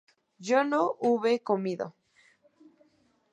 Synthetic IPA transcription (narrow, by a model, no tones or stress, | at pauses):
ʝonoʔuβekomiðo̰